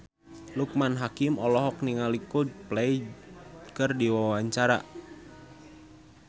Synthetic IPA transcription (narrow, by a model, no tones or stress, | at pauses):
luk̚manɦakimɔlɔɦɔk̚niŋalikoplɛi | kɨrdiwawwaɲt͡ʃaɾa̰